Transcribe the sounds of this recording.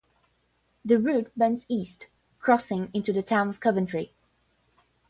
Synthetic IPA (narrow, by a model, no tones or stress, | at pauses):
ðɨɹʉt̚bɛ̃nsist | kʰɹ̥ɔsɪ̃ŋɪ̃ntʉðɨtʰãʊ̃nʌv̥kʰʌvə̃ntʰɹ̥i